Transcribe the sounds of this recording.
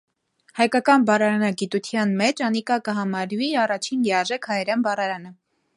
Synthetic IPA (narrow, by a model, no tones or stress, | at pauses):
hɑjkɑkɑnbɑɾɑɾɑnɑɡit̪ut̪ʰjɑnmɛt͡ʃɑnikɑkəɦɑmɑɾviɑrɑt͡ʃʰinjɛɑʒɛkʰhɑjɛɾɛnbɑrɑɾɑnə